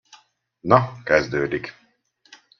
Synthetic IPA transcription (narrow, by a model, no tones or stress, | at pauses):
nɒkɛzd̪øːd̪ik